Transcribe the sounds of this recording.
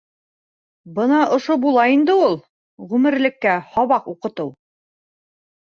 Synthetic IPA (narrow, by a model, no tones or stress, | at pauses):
bɤnɑʔŏʃobulˠɑind̪ɘulˠ | ʁʉmɘ̆ɾlɘ̆kːæhɒβɑquqɤ̆t̪ɤw